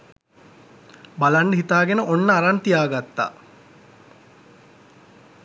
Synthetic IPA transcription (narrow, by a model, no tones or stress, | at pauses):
balanːəɦit̪aːɡenəʔonːəaɾant̪ijaːɡat̪ːa̰ː